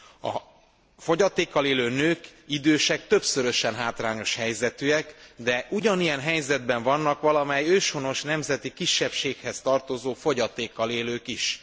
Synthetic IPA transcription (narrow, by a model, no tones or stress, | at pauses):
ɒ̰ | fo̞ɟɒt̪eːkːɒleːløːnøːkid̪øːʃɛk̚t̪ø̞psøɾø̞ʃɛnɦaːt̪raːɲo̞ʃhɛjzɛt̪yɛkd̪ɛʔuɟɒnijɛnɦɛjzɛd̪̚bɛɱvɒnːɒkʋɒlɒmɛjøːʃono̞ʃnɛmzɛt̪ikiʃːɛpʃeːkhɛst̪ɒrt̪o̞zoːfo̞ɟɒt̪eːkːɒleːløːkiʃ